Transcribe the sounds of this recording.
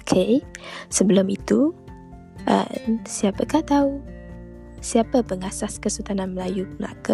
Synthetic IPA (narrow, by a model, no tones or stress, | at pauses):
okʰesəbəlʊmit̪u | ʔə̰msiapəkaht̪au | siapəpəŋasaskəsut̪ananməlajuməla̰kə